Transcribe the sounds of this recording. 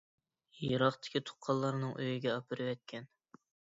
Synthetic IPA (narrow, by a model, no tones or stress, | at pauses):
jɨɾɑχt̪ʰɪ̥kʲʰit̪ʰʊ̥qʰːɑlˠːɑɾnɨŋʔø̰jiɡʲɛɑpʰɨɾɨwɛt̪̚kʲʰɛn